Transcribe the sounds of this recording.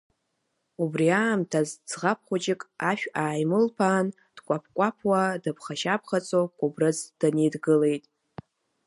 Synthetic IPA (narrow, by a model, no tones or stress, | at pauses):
ubriaːmtʰazd͡zʁap̚ʰχʷʊt͡ʃʼɪkʼaʃᶣaːjmɨlpʰaːn | d̥kʷʼapʰkʷʼapʰwadɨpʰχaʃap̚ʰχat͡sʼokʷʼubrɨzd̥anejdɡɨle̞jtʼ